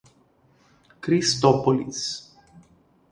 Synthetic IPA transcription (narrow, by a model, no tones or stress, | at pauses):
kɾist̪opolḭs